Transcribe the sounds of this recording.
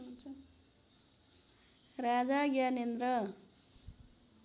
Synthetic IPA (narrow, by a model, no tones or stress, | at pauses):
nt͡sʰʌ | ɾad͡zaɡjanend̪ɾʌ